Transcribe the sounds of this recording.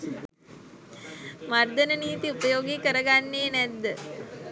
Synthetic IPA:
mard̪ənəniːt̪iupəjoːɡikəɾəɡanːeːnɛd̪ːə

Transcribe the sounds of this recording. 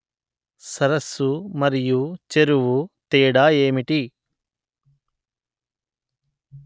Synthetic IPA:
sɐɾɐsːumɐɾijut͡ʃeɾuʋut̪eːɽaːeːmiʈi

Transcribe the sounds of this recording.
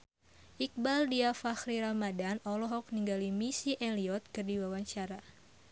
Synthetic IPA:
ʔik̚baldiafaxɾiɾamadanɔlɔɦɔk̚niŋɡalimisiʔɛliɔt̪̚kɨrdiwawaɲt͡ʃaɾa

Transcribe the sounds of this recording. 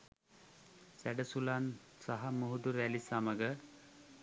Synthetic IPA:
sæɖəsulan | saɦamuɦud̪uɾælisaməɡə

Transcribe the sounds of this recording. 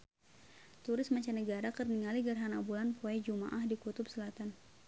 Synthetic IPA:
t̪uɾɪsmat͡ʃanəɡaɾakərniŋaliɡərɦanabulanpuad͡ʒuma̰ʔahdikut̪ʊpsəlat̪an

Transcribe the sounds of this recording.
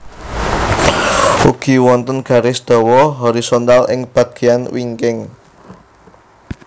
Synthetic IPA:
uɡ̥i̤wɔnt̪ənɡ̥a̤ɾɪsd̪̥ɔ̤wɔɦɔɾisont̪alʔɪ̰ŋb̥ä̤ɡ̥i̤anwiŋkɪŋ

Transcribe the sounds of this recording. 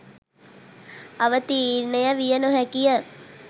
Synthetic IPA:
aʋət̪iɾnəjəʋijənuɦækijə

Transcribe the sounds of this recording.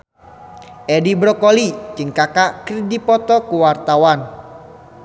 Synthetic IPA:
ʔɛdibɾɔkolid͡ʒɨŋkakaʔkridipɔt̪ɔkuwart̪awan

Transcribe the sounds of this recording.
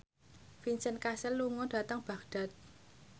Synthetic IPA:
finsənkasɛlːuŋɔɖ̥ä̤t̪əŋb̥a̤ɡɖ̥a̤t̪̚

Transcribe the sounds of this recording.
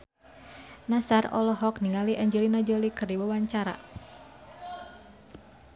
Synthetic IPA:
nasarɔ̰lɔɦɔk̚niŋaliʔaɲd͡ʒɛlinad͡ʒɔlikərdiwawaɲt͡ʃaɾa̰

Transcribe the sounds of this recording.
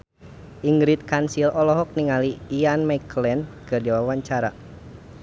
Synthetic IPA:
ʔiŋɡɾit̪̚kansilɔlɔɦɔk̚niŋaliːjanmaiklɛnkɨrdiwawaɲt͡ʃaɾa̰

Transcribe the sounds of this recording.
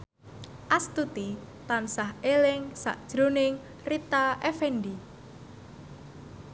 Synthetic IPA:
ʔast̪ut̪i | t̪ansaɦelɪŋsa̰ʔd̥ʒ̥ɾonɪŋ | rit̪aʔefɛnɖi

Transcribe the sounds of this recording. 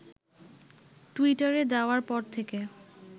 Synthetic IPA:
ʈuiʈaɾed̪ɛoaɾpɔɾt̪ʰeke

